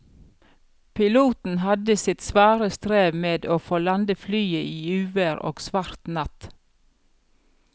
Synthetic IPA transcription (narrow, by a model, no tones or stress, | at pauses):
pʰɪluːt̪n̩hɑd̪əsɪt̪sʋɑːɾəst̪ɾeːʋmeːd̪oːfoːlɑnd̪əflyːəʔiːʉːʋəɾo̰ːɡsʋɑɾt̪nɑt̪